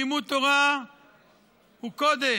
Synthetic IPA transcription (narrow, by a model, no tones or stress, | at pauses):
imut̪oʁa | ukod̪e